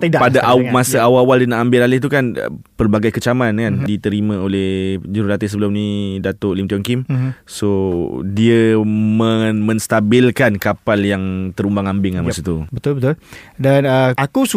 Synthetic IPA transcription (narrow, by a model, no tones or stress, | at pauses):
t̪ədapadaʔmasaawawaldiənaʔambɪlalɪht̪ukan̰pərbaɡajkət͡ʃamankandit̪əɾimãolɛhd͡ʒuɾulat̪isəbəlʊmnĩdat̪oʔlimt̪iɔŋkimsodiəməmə̃nst̪abɪlkankapaljaŋt̪əɾumbaŋambɪŋlamasət̪ubət̪ʊlbət̪ʊldanəakus